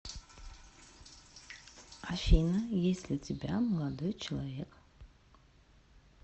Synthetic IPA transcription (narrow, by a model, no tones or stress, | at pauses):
afʲinɐjesʲlʲɪtʲɪbʲaməlˠad̪ojt͡ʃʰɪlˠavʲek